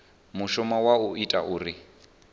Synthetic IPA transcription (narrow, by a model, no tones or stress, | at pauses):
muʃɔmawauitʼaʔuːri